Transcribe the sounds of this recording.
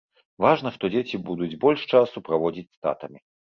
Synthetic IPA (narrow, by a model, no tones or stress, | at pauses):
vaʐnɐʂt̪ɔd͡zʲet͡sʲibud̪ud͡zʲbɔlʲʂt͡ʂasupɾavɔd͡zʲit͡sʲst̪a̰t̪ɐmʲi